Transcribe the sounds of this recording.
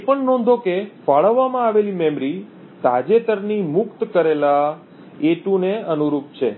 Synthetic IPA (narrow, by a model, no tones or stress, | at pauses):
epəɳnɔ̃nd̪ʱokefaɭəʋːamãaʋelimɛmɾi | t̪ad͡ʒet̪əɾnimʊkt̪kəɾela | eʈũneənuɾup̚t͡ʃʰe